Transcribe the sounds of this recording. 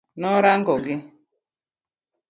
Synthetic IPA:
nɔɾaŋ̩ɡɔɡɪ

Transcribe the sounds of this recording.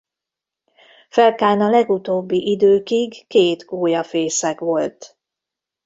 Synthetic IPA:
fɛlkaːnɒlɛɡut̪oːbːiʔid̪øːkiɡkeːt̪ɡoːjɒfeːsɛkʋo̞lt̪

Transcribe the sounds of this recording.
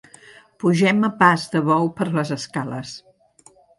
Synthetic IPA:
puʒɛməpazðəβɔwpəɾləzəskaləs

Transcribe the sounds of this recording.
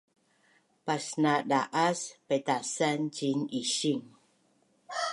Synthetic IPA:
pasnadaʔaspetasand͡ʒiniɕiŋ

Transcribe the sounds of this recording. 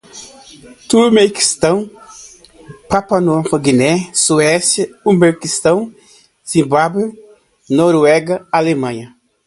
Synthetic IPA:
t̪uɾmeki̥st̪ɐ̃w̃ | papanɔfɐɡinɛsuɛsjɐumbeɾkist̪ɐ̃w̃ | z̥ĩmbabwe | nɔɾuɛɡɐalemɐ̃ɲɐ

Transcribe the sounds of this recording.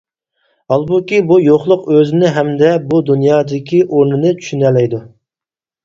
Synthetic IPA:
ɑlˠbukʲibujoχlˠʊqøzɪnɪɦɛmd̪ɛbud̪unjɑːd̪ɪkʲiʔoɾnɨnɨt͡ʃʰy̥ʃynɛlɛjd̪u

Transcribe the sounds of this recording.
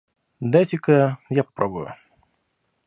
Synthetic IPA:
d̪at̪ʲɪkəjapɐ̥pɾʔobʊjʊ̰

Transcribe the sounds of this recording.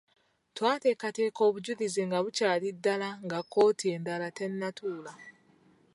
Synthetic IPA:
twaːte̞ːkate̞ːko̞ːβuɟuðizeŋɡaβucaːlidːalaŋɡakːo̞ːtʰie̞ndalate̞nːatʰuːla

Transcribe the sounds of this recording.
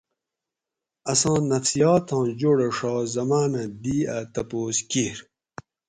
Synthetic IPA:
ɐsɑ̃ːnɐfsijaːt̪ʰɑ̃ːd͡ʑoɽeʂɑːzɐmaːnɐ̃d̪iːat̪ɐpoːskiɾ

